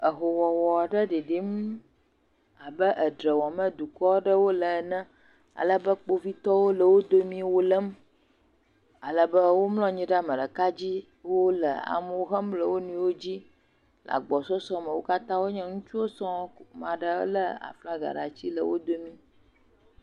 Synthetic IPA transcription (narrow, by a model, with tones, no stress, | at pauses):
ə˨ɦo˨wɔ˨wɔ˨a˨ɖə˦ɖi˨ɖi˦m | a˨bə˦ʔə˨ɖɾə˨wɔ˨mə̃˦d̪u˨kɔ˦ɖə˦wo˦lə˨nə̃˦ | a̰˨lə˦bə˦k͡po˦vi˦t̪ɔ˦wo˦lə˨wo˦d̪o˦mĩ˦wo˦lə˦m | a˨lə˨bə˦wo˦mlɔ̃˦ɲĩ˦ɖa˨mə˨ɖə˨ka˦d͡ʑi˦ | wo˦lə̰˨a̰˨mə˦wo˦ɦə˦mblə˨wo˦nũ˦wo˦d͡ʑi˦ | lʔa̰˨ɡ͡bɔ˨sɔ˦sɔ̃˦mə˨wo˦ka˦t̪ã˦wo˦ɲɛ̃˦ŋũ˦t͡ʃu˦wo˦sɔ̃˦mã˨ɖə̰˦lə˦a̰˨fla˦ɡa̰˨ɖa̰˨t͡ɕi˦lə̰˨wo˦d̪o˦mĩ˦